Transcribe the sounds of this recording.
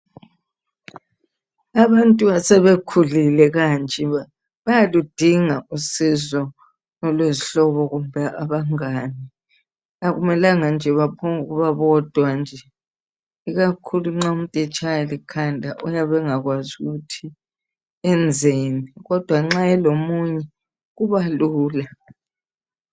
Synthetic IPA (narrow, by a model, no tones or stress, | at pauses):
aβantʼuasɛβekʰulilɛɣant͡ʃʼɛ | βajalud̥ʱiŋausizɔ | nɔlweziɬɔβɔɣumbʱɛʔaβaŋaːni | aɣumɛlaŋand͡ʒʱɛβapʰɔŋuɣuβaβɔd̥ʱwand͡ʒʱɛ | iɣakʰuluŋ͡ǁaum̩tʼit͡ʃʼajlikʰandʱaʔɔjaβɛŋaɣwazuɣutʰi | ɛnd͡zʱeːniɣɔd̥ʱwaŋ͡ǁaɛlomuɲɛ | ɣuβaluːla